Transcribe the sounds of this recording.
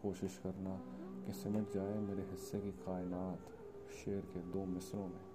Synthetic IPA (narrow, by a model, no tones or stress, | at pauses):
koːʃɪʃkɐɾnakesɪmət̪d͡ʒaːemeːɾeɦɪsːekikaːɪnaːt̪ | ʃeːəɾked̪oːmɪsɾõmẽː